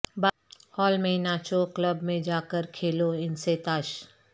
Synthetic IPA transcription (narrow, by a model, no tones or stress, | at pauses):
ba | hɔːlmẽnaːt͡ʃokləbmẽd͡ʒaːkəɾkʰeːloɪnset̪aːʃ